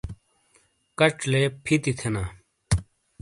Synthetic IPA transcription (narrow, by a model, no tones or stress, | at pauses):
kɐʈ͡ʂleːpʰit̪it̪ʰenaː